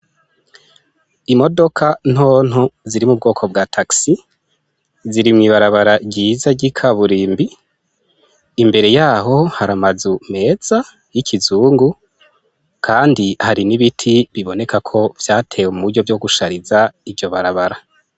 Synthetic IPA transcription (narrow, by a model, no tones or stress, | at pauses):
imo̞do̞kʰan̥ho̞ːn̥huziɾimub̚ɡo̞ːkʰo̞b̚ɡatʰaksi | ziɾimŋiβaɾaβaɾaɟiːzaɟikʰaβuɾiːmbi | mbe̞ɾe̞jaːɦo̞haɾamazume̞ːz̥a | jikʰizuːŋɡu | kʰaːndihaɾiniβitʰiβiβo̞ne̞kʰakʰo̞v̥jaːtʰe̞ːwemuɾɟo̞vjo̞ɡuʃaɾizaivjo̞βaɾaβaɾa